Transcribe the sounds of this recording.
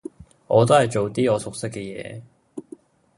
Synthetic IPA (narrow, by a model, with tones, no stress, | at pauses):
ɔ˨˧t̪̬o˥hɐ˨jt͡ɕo˨wt̪iː˥ɔ˨˧sʊ˨k̚se˥kːɛ˧jɛ̰ː˨˧˦